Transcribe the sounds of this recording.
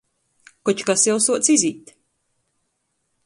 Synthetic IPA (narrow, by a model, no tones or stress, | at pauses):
kɔt͡ʃkasjɛwsuɔt̪siziːt̪